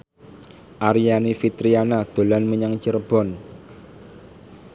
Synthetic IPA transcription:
ʔaɾijanifit̪ɾianad̪̥o̤lɔnməɲaŋt͡ʃiɾb̥ɔ̤n

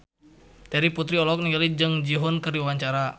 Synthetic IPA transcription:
t̪aɾiput̪ɾiɔlɔk̚niŋɡalid͡ʒɨŋd͡ʒiɦɔnkərdiwawaɲt͡ʃaɾa

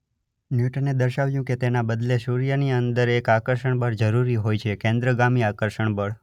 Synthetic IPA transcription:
njuʈned̪əɾʃaʋjũket̪enabəd̪leʃuɾijəniənd̪əɾekakəɾʃəɳbəɽd͡ʒəɾuɾiɦojt͡ʃʰekẽnd̪ɾəɡamiakəɾʃəɳbəɽ

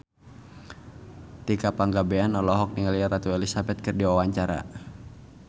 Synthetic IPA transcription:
t̪ikapaŋɡabɛanɔlɔɦɔk̚niŋaliaɾat̪uɛlisabɛt̪̚kɨrdiwawaɲt͡ʃaɾa̰

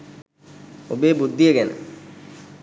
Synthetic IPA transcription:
obeːbud̪ːijəkɛnə̰

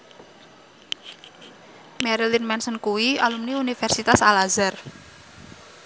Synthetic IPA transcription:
mɛɾilinmɛnsənkuwialumniunifɛrsit̪asalazər

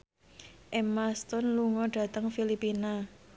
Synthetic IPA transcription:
ʔɛmast̪ɔnluŋɔɖ̥ä̤t̪əŋfilipina

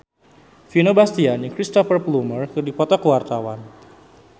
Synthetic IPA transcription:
finobast̪ianjaŋkɾist̪ɔfərplumərkɨrdipɔt̪ɔkəwart̪awan

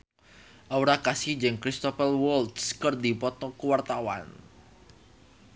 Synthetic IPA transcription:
ʔawɾakasid͡ʒɨŋkɾist̪ɔfɛlwɔlt̪skərdipɔt̪ɔkuwart̪awa̰n

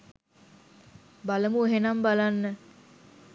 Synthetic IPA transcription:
baləmuɦenambalanːə

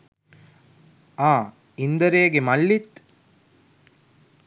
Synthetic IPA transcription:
aː | ind̪əɾeːɡemɐlːit̪

